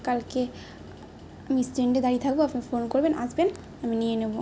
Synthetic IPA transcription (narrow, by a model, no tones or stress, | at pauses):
kalke | amisʈeɳɖed̪aɾit̪ʰak̚boapnifonkoɾbenʔa̰sben | aminijenebo